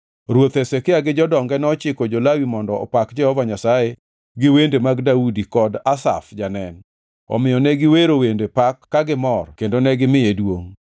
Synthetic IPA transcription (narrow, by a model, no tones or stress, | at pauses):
ɾwot̪esekɪaɡɪd͡ʒɔdɔŋɡɛnɔt͡ʃɪkod͡ʒolawimɔndɔ̰ːpakd͡ʒɛhɔvaɲasaje | ɡɪwendemaɡdaudikɔdasa̰fd͡ʒanɛn | ɔ̰mɪjɔnɛɡɪweɾowendepakːaɡɪmɔrkendonɛɡɪmɪedwoŋ